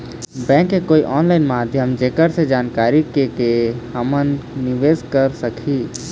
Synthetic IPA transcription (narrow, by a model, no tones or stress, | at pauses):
bɛ̃ːŋkːekoːiʔɔːnlaːɪnmaːd̪ʱjəmd͡ʒeːkəɾsed͡ʒaːnkaːɾikekehəmənːɪʋeːzkəɾsəkʰiː